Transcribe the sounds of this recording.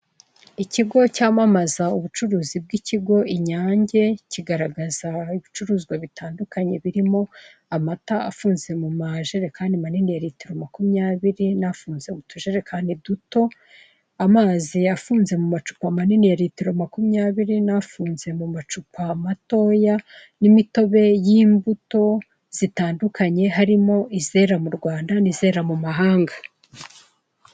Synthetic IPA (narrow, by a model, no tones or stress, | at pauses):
iciɡo̞caːmamazauβut͡ʃuɾuːzib̚ɡiciɡo̞iɲaːɲɟe̞ciɡaɾaɡazaiβit͡ʃuɾuːzɡwaβitaːndukaɲe̞βiɾimo̞amataa̰fuːnze̞mumaʒeɾe̞kaːndimaninijaɾitiɾo̞makumɲaːβiɾinafuːnze̞mutuʒeɾekʰaːndiduto̞ | amaːziafuːnze̞mumat͡ʃu̥pamaninijaɾitiɾo̞makumɲaːβiɾinafuːnze̞mumat͡ʃupʰamato̞ːjanimito̞βe̞jiːmbuto̞ | z̥itaːndukʰaɲe̞ɦaɾimo̞ʔize̞ɾamuɾɡwaːndanize̞ːɾamumaɦaːŋɡa